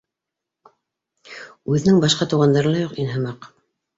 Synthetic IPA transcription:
ʉðɘ̆nɘŋbɑʃqɑt̪ɤ̆wʁɑnd̪ɑɾɤnlˠɑjuqinɦɤ̆mɑq

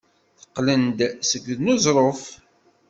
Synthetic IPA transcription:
θəqːlənd̪səɡəðnʊzˤɾˤof

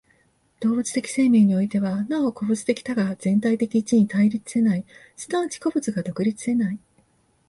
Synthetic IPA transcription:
d̪̥o̞ːbɯt͡sɨ̥t̪e̞kʲi̥se̞ːmʲẽːɲ̟io̞it̪e̞βanao̞ko̞bɯ̟t͡sɨ̥t̪e̞kʲi̥t̪aɡaz̥ẽ̞nt̪ait̪e̞kʲiːt͡ɕiɲ̟it̪aiɾʲit͡sɨ̥se̞nai | sɨ̥d̪at͡ɕi̥ko̞bɯ̟t͡sɨɡad̪o̞kɯ̟ɾʲit͡sɨ̥se̞nai

